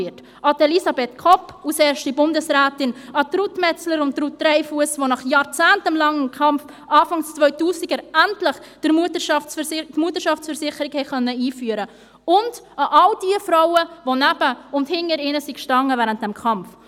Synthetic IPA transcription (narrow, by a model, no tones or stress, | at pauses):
ɪt | ʔɑdelisɑbetkʰɔpːusɛːɾʃtibʊndəsɾæːtɪnɑt̪ɾutmɛt͡sləɾʊnt̚ɾutɾɛɪfuəsʋonɑχjɑːɾt͡sæːntəmlɑŋɪmkʰɑmf | ʔɑːfɑŋst͡sʋœʏtuːsɪɡəɾæntlɪχd̥əmutəʃɑɪtmuətəɾʃɑft͡sfəɾsɪχəɾikhɛχœnːəiːfyːəɾə | ʊnd | ɑʔɑld̥iəfɾawəvonæb̥əʊnthɪŋnːəɾɪnəsikʃtɑŋːəvæːɾənt̚d̥ɛmkʰχɑmf